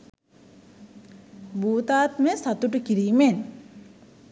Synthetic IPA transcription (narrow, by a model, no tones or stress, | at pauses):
buːt̪aːt̪məsat̪uʈəkiɾiːmen